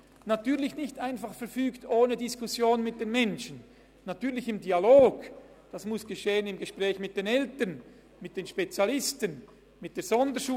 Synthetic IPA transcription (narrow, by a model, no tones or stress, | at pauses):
natyːɐlɪçnɪçtaɪnfaχfɛɐfyːktoːnədɪskʊsjoːnmɪt̚d̥eːnmɛnʃənː | atyːɐlɪçɪmdialoːɡ̥ | d̥asmʊsɡ̥əʃeːənɪmɡəʃpʁɛːçmɪt̚d̥eːnɛltən | mɪt̚d̥eːnʃpet͡sjalɪstən | mɪt̚d̥eːɐz̥ɔndəʃuː